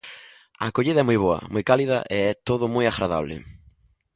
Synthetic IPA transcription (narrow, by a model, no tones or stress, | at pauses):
a̰koʎiðɐɛmujβoɐ̰mujkaliðɐ̰ʔeɛt̪oðʊmujaɣɾaða̰β̞lɪ̰